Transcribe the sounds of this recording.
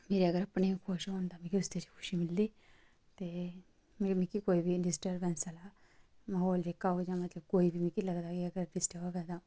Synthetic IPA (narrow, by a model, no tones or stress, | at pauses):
meːɾiəɡəɾəpɳeikʰoʃɦõːnd̪aːmĩkiʊst̪eɾikʰʊ̥ʃimɪld̪iː | t̪eː | mmĩkikoːiːbʱiɖɪsʈəɾbɛ̃ːnsəlaː | maːɦoːld͡ʒekːaːod͡ʒãːmət̪ləb̚koːiːbʱimĩkiləɡd̪aːkiəɡəɾɖɪsʈəʋəɡɛːd̪aː